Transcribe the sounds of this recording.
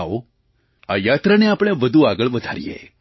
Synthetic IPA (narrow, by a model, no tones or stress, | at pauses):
o | ajat̪ɾaneapɳ̃eʋəd̪ʱuaɡəɭʋəd̪ʱaɾijḛ